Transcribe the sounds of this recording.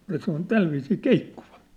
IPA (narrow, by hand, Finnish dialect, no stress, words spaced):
jɑ se on tælʋiːsiː keikːuʋɑ̥